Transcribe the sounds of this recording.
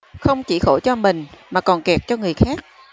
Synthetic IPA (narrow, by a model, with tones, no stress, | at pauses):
xə˧wŋ͡mt͡ɕi˧˩xo˧˩t͡ɕɔ˧mï˨˩ŋ̟maː˨˩kɔ˨˩nkɛ˨˩k̚t͡ɕɔ˧ŋɨ˨˩əjxaː˦˥k̚